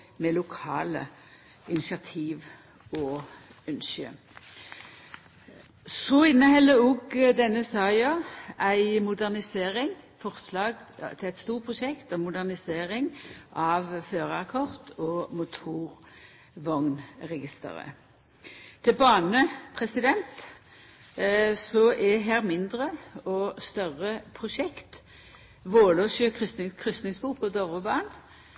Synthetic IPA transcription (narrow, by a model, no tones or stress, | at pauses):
meːlʊkʰɑ̰ːlə̰ | ɪnɪsɪɑt̪ʰiːʋ | ɔœnʃə̰ | sɔɪnːəhɛlːəʊɡd̪ɛnːəsɑːɑæɪmʊd̪æʁnɪseːʁɪŋfɔʁslɑːɡt̪ʰɪlæɪt̪st̪uːʁpʰʁʊʃɛkt̪ɔmmːʊd̪æʁnɪseːʁɪŋʔɑʋføːʁɑkʰɔʁt̪ʰɔmʊt̪ʰuːʁ | ʋɔŋnʁɛɡɪst̪ə̰ɾə̰ | t̪ʰɪbɑːnəpʰʁɛsɪd̪ɛnt̪ | sɔʔɛɦæːʁmɪnd̪ʁəɔst̪œʁəpʰʁʊʃɛkt̪ | ʋoːloːʃøːkʰʁʏskʰʁʏst̪nɪŋsbuːkɔd̪ɔʁʋəbɑːn